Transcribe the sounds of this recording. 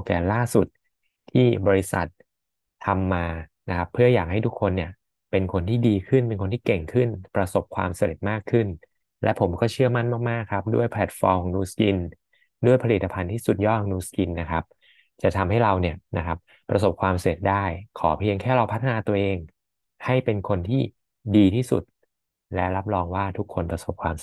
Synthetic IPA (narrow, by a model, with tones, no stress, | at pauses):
k̪ɛː˧˩laː˥˩su˨˩t̪̚ | t̪ʰːiː˥˩bɔː˧ɾi˧˦˥sa̰˨˩t̪̚ʰː | a˧mːaː˧na˦˥kʰa˦˥pʰːɯ˥˩ɐjaː˨˩k̚ha˥˩jt̪ʰu˦˥kʰːo˧nːi˥˩ɐ | pe˧nkʰo˧nt̪ʰiː˥˩diː˧kʰɯ˥˩npe˧nkʰo˧nt̪ʰiː˥˩ke˨˩ŋkʰɯ˥˩npɾa˧so˨˩p̚kʰwa̰ː˧msa˧lḛ˨˩t̪̚maː˥˩kʰːɯ˥˩n | lɛ˦˥ʔpʰo˩˦mkɔː˥˩t͡ɕʰɯ˥˩ɐma˥˩nmaː˥˩k̚maː˥˩kʰːa˦˥p̚du˥˩əjpʰlɛ˨˩t̪̚fɔː˧mkʰɔː˩˦nuː˧ski˧n | du˥˩əjpʰa˧li˨˩t̪ːa˧pʰa˧nt̪ʰiː˥˩su˨˩t̪̚jɔː˥˩˨nuː˧ski˧nːa˦˥kʰa˦˥p̚ | t͡ɕa˨˩t̪ʰa˧mha˥˩jɾa˧wni˥˩ɐna˦˥kʰa˦˥p̚ | pːɾʔa˧so˨˩p̚kʰwaː˧mse˨˩t̪̚daː˥˩jkʰɔː˩˦pʰi˧əŋkʰɛː˥˩ɾa˧wpʰa˦˥t̪ʰːa˧naː˧t̪u˧əʔeː˧ŋ | ha˥˩jpe˧nkʰo˧nt̪ʰiː˥˩ | diː˧t̪ʰiː˥˩sṵ˨˩t̪̚ | lɛ˦˥ɾa˦˥p̚ɾɔː˧ŋwaː˥˩t̪ʰu˦˥kʰːo˧npɾa˧so˨˩p̚kʰwaː˧m